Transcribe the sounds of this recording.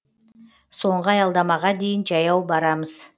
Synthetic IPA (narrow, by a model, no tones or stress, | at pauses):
so̞ɴʁəɑjɑlˠd̪ɑmɑʁɑd̪e̞jɪnʒɑjɑwbɑɾɑməz̥